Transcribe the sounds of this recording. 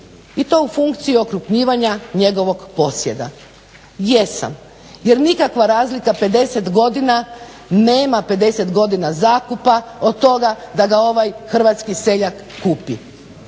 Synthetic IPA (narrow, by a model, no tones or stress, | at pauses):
it̪o̞ufuŋkt̪sijio̞kɾupɲiːʋaɲaɲe̞ɡo̞ʋo̞ɡpo̞sje̞d̪a̰ | je̞sa̰m | je̞ɾnikakʋaɾaːzlikape̞d̪e̞se̞t̪ɡo̞d̪ina | ne̞ːmape̞d̪e̞se̞t̪ɡo̞d̪inazaːkupaod̪̚t̪o̞ɡad̪aɡao̞ʋajxr̩ʋat̪skise̞ʎakːupḭ